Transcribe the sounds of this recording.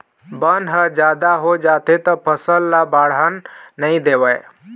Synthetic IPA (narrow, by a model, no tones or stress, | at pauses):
bənɦəd͡ʒad̪aɦod͡ʒat̪et̪ɔpʰəsəlːabaɽənːəid̪ewəj